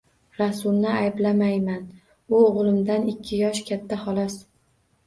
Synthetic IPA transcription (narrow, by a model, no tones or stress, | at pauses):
ɾasʊlˠnɪajblamajman | ʊoʁlˠɪmd̪anɪkʲʰːɪjɒʃkʲʰat̪ʰːahɒlˠɒs